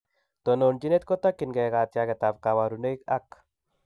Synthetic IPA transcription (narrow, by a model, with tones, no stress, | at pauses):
t̪o˨no˨nd͡ʒi˦ne˦t̪̚kɔ˦t̪a˦kːi˨nɡɛ˨ɡa˨t̪jakɛ˨t̪a˨b̚ka˨wa˨ɾu˨ne˦ika˦k